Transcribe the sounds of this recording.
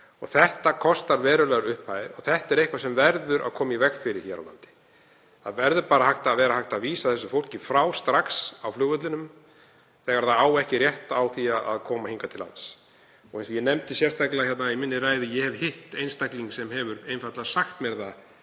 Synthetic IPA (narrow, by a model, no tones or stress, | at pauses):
ɔ̰ɣθɛht̪akʰɔst̪aɾvɛːɾʏlɛɣaɾʏhpfajðɪɾɔθɛht̪ɛɾehkvasɛmvɛɾðʏɾʔa̰ðkʰɔːmaivɛxfɪɾɪ̥çɛːɾawla̰nt̪ɪ̥ | θaðvɛɾðʏpaːɾahaxt̪aːðvɛːɾahaxt̪aðviːsaθɛsːʏfowl̥cɪfɾaːwst̪ɾaksawflʏːɣʏt̪lɪnʏm | θɛːɣaɾθaðaːwɛhcɪrjɛht̪awθiaʔa̰ðkʰɔːmahiŋkat̪ʰɪlːa̰ns | ɔɣhɛnsɔjɛnɛmt̪ɪsjɛr̥st̪ʰaklaçɛt̪naimɪnːɪraːjðɪjɛhɛvhɪht̪ejnst̪akliŋksɛmɦɛvʏɾejnfat̪lasaxt̪mɛɾða